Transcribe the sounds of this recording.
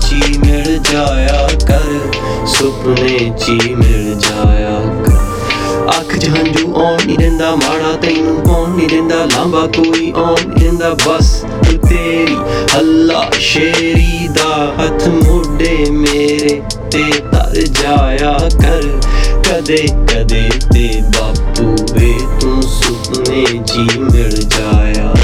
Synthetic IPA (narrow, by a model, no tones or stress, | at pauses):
t͡ʃiːmɪld͡ʒaːjaːkəɾ | sʊpneːt͡ʃiːmɪɭd͡ʒaːjaːkəɾ | əkʰd͡ʒəɦə̃nd͡ʒuːʔɔːniːɾẽːnd̪aːmaːɽaːt̪əinũːʔɔ̃ːniːɾẽːnd̪aːlãːmbaːkoːiːʔõːniːɾẽːnd̪aːbəs | t̪eːt̪eːɾiːəlːa̰ːʃeːɾiːd̪aːɦət̪ʰmoːɖeːmeːɾeː | t̪eːt̪ə̰ɾd͡ʒaːjaːkəɾkəd̪eːkəd̪eːt̪eːbaːpuːʋeːt̪ũːsʊp | neː | d͡ʒiːmɪld͡ʒaːjaː